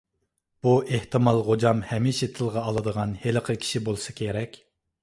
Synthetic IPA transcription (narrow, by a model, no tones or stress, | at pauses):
b̥uʔeht̪ʰɨmɑlˠʁod͡ʒɑmhɛmiʃɛt̪ʰɨlˠʁɑːlˠɨd̪əʁɑnhelɨqʰəkʲʰi̥ʃibolˠɨsɨ̥kʲʰeɾɛkʲ